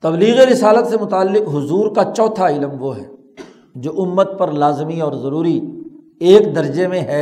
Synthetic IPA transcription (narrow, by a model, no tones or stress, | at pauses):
t̪ɐbliːɣeɾɪsaːlət̪semʊt̪aːlːɪqɦʊzuːɾkat͡ʃɔːt̪ʰaɪlmʋoɦɛː | d͡ʒoːʔʊmːət̪̚pɐɾlaːzmiɔːɾzɐɾuːɾi | eːkd̪ɐɾd͡ʒemẽɦɛ